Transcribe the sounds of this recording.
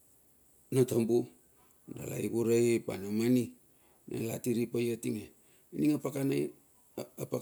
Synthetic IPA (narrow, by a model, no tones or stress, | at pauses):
natambu | nda̰ɣa̰iɡuɾapa̰namani | nʔḛla̰tiɾipajatiŋe | iniŋapakan | apa